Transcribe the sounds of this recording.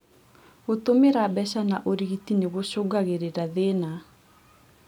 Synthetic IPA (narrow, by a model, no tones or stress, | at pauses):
ɣotomeɾabɛɕanaʔoɾiɣitineɣoɕoɡaɣeɾeɾaðena